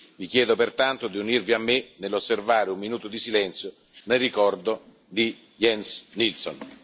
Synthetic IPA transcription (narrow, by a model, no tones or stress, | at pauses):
vik̟jɛːd̪opert̪ant̪od̪iunirviamːenelːosːervaːɾeumːinuːt̪od̪isilɛnt̪sjo | nelrikɔrd̪o | d̪i | jɛnsnilso̰n